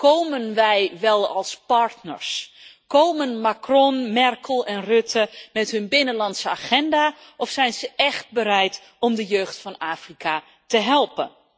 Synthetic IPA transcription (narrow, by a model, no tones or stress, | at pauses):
kowmənʋɛjʋɛlˠɑlˠspɑɹtnə̰ɹskowmənmakrɔnmɛrkʰəlˠɛnrɵtʰəmɛtɦɵnbɪnənlɑntsəaχɛndaːʔɔfsɛjnzəʔɛχt̚bəɾɛjt | ɔmdəjøːχtfɑnaːfrika | təɦɛlˠpən